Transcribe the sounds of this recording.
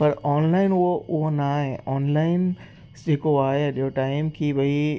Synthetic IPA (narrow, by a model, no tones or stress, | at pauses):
pɐɾɔːnlaːɪnʊɦoʔʊɦonaːɦẽʔɔːnlaːɪn | d͡ʑeːkoaːɦeɗiɦoʈaːɪmkʰiːʋɐi